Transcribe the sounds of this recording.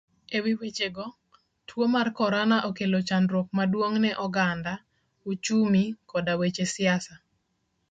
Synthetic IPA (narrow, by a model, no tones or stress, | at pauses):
ewiwet͡ʃeɡɔ | tʰwomarkɔɾanaʔokelot͡ʃandɾwok̚madwoŋnɛʔɔɡanda | ut͡ʃumikɔdawet͡ʃesɪasa